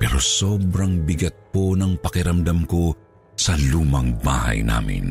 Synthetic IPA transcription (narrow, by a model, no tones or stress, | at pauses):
pɛːɾo̞soːbɾɐŋbɪɡɐt̪̚po̞nɐŋpɐkɪɾɐmd̪ɐmko̞ | sɐluːmɐŋba̰ːhɐ̰jna̰ːmɪ̰n